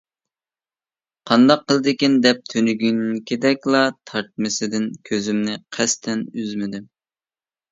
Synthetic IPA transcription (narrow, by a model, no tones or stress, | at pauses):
qʰɑnd̪ɑqːəlˠd̪ɪkʲind̪ɛp̚t̪ʰønyɡʲynkʲʰed̪ɛkʲlˠɑt̪ʰɑɾt̪̚mɪsɪd̪ɪnkʲʰøzymnɪqʰæst̪ʰɛnyzmɪd̪ɪ